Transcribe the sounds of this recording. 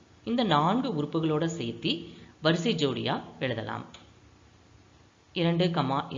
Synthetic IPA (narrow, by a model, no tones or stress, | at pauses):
ɪnd̪ɐnaːɳɡɯʊɾʊpːɯɣɐɭoːɽɐsɛjt̪ːiʋɐɾɯsid͡ʒoːɽɪ̰ja̰ːɛɻɯðɐ̰la̰ːm | ɪɾɐɳɖɯkɐmaːʔɪ